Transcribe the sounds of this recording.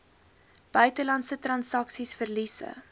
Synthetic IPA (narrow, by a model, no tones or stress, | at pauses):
b̥œɥtəlɐntsətrɐnsɐksisfərlisə̰